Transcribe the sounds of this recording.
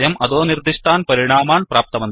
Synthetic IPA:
jɐmʔɐðoːnird̪ʱiʂt̪ʰaːnpɐɾiɳaːmaːɳpraːp̚t̪ɐmɐnd̪

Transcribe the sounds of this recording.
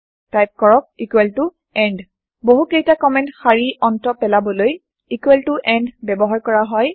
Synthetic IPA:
tajp̚kɔɹɔk̚ikwɛltʊ | ɛnd | boɦukejtakɔmɛ̃ntxaɹiɔntɔpɛlabɔloj | ikwɛltʊʔɛndbɛbɔɦaɹkɔɹaɦɔj

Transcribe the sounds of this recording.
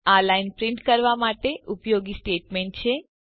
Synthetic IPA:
alainpɾɪɳʈkəɾʋamaʈeʔupjoɡisʈeʈmeɳʈt͡ʃʰe

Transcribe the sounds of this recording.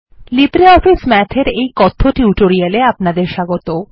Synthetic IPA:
lipɾeɔfismɛt͡ɕʰeɾejkɔt̪ʰːoʈiuʈoɾijaleapnad̪eɾʃaɡot̪o

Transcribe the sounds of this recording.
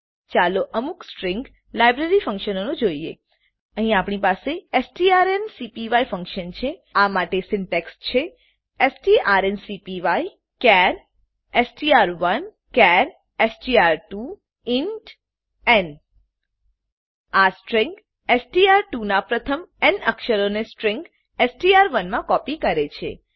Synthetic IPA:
t͡ʃaloʔəmuksʈɾɪ̃ŋɡ | lajbɾeɾifə̃ŋkʃənonũd͡ʒoiḛ | əɦĩapɳipaseesʈiaɾensipiʋaifə̃ŋkʃənt͡ʃʰeamaʈesɪnʈekst͡ʃʰe | esʈiʔaɾensipiʋai | kɛɾ | esʈiaɾʋən | kɛɾ | esʈiaɾʈu | ɪɳʈ | ɛn | asʈɾɪ̃ŋk | esʈiaɾʈunapɾət̪ʰəmɛnəkʃəɾonesʈɾɪ̃ŋk | esʈiaɾʋənmãkɔpikəɾet͡ʃʰḛ

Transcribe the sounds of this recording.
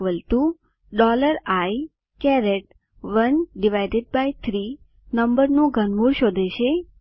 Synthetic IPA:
ʋəlt̪u | ɖɔləɾaj | kɛɾeʈ̚ | ʋənɖiʋajɖeɖ̚bajt̪ʰɾi | nəmbəɾnũɡʱənmuɽʃod̪ʱeʃe

